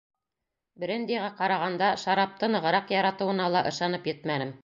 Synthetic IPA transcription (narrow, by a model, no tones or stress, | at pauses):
bɘ̆ɾɘ̆nd̪æʁæqɑɾɑʁɑnd̪ɑʃɑɾɑp̚t̪ɤnɤ̆ʁɤ̆ɾɑqjɑɾɑt̪ɤ̆wɤ̆nɑlˠɑʔɤ̆ʃɑn̪ɤpjɘt̪mænɘm